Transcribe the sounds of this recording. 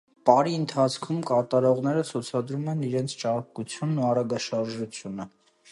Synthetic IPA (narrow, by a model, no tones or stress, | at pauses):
pɑɾiənt̪ʰɑt͡sʰkʰumkɑɾt̪ɑɾɔʁnɛɾət͡sʰut͡sʰɑd̪ɾumɛniɾɛnt͡sʰt͡ʃɑɾkut͡sʰjunːuɑɾɑɡɑʃɑɾʒut͡sʰjunə